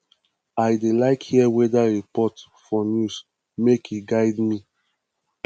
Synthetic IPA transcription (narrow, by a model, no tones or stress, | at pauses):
ajdelaɪkhiɛwɛdaɹipɔt | fɔnjus | mekiɡaɪdmi